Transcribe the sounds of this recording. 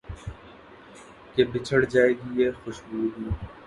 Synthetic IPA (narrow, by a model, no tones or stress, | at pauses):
keːbɪt͡ʃʰəɽd͡ʒaːeːɡiːeːxʊʃbuːd̪